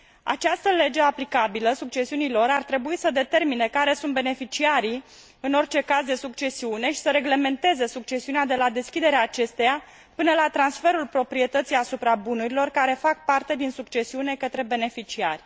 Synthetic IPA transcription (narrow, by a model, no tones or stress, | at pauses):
a̰t͡ʃast̪əle̞d͡ʒe̞aplikabiləsuk̚t͡ʃe̞siunilo̞ɾart̪ɾe̞buisəd̪e̞t̪e̞rmine̞kaɾe̞sunt̪be̞ne̞fit͡ʃiaɾi | ɨno̞rt͡ʃe̞kazd̪e̞sukt͡ʃe̞siune̞ʃi̥səɾe̞ɡle̞me̞nt̪e̞ze̞suk̚t͡ʃe̞siunead̪e̞lad̪e̞skʲid̪e̞ɾeaːt͡ʃe̞st̪e̞ja | pɨnəlat̪ɾansfe̞ɾulpɾo̞pɾie̞t̪ət̪sijasupɾabunuɾilo̞rkaɾe̞fak̚part̪e̞d̪insukt͡ʃe̞siune̞kət̪ɾe̞be̞ne̞fit͡ʃia̰rʲ